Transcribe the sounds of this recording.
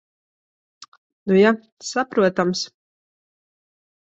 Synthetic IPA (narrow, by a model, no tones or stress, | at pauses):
nuja | sapɾuɔt̪ams